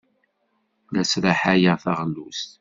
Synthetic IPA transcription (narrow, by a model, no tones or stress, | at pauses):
læsɾaħajəθaʁlːust̪